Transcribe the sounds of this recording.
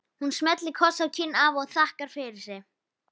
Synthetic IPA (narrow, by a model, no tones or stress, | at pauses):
hunsmɛt̪lɪkʰɔsawcʰɪnːavɔɣθahkaɾ̥fɪɾɪɾ̥sɛ